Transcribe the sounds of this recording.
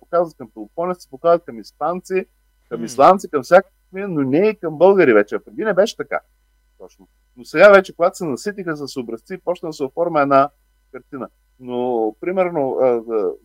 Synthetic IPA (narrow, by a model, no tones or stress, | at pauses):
pokazvət̪̚kɐmpɛlˠofɔnʲɛsɛ̥pokazɐt̪̚kɐmisp̪ant̪si | kɐmislˠant̪sikɐmfsʲjakə̥sminonɛikɐmbɤlˠɡəɾivɛt͡ʃɛɐpɾɛd̪inɛbɛʃɛ̥t̪ɐka̰ | t̪ɔt͡ʃno | nosɛɡavɛt͡ʃɛkoɡat̪ʊ̥sɛnɐsit̪̬ixəs̬əsobɾɐst̪siːpɔt͡ʃt̪ənəsɛoffɔɾməɛd̪na | kɐɾt̪inə | nopɾimɛɾnoə